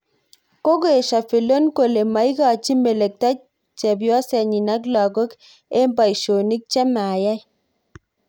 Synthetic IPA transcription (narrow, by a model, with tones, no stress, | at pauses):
ko˦k̬o˦e˨ʃa˨fi˨lo˦nko˨le˨ma˨i˦ka˨t͡ʃi˦me˨le˨k̚ta˦ | t͡ʃɛ˨bjɔ˦sɛ˨ɲi˨na˦k̬la˨ɡo˦k | e˦mba˨i˨ʃo˨ni˦k̚t͡ʃɛ˦ma˨ja˦j